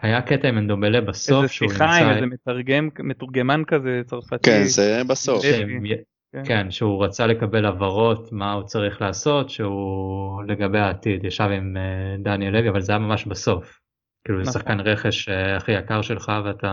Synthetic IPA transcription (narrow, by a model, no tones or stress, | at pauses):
hajaketaimend̪omelebaso̞fʃeujajezemetaʁɡemmetuʁɡemankazet͡saʁfatkenzebasofeimj | kenʃeuʁat͡sale̞kabe̞lavaʁo̞tmaut͡saʁiχlaːso̞tʃeule̞ɡabe̞jaːtidjaʃavimed̪anjeleviavalzajamamaʃbaso̞f | kiːluzesaχkanʁeχe̞ʃeaχijakaʁʃelχaveata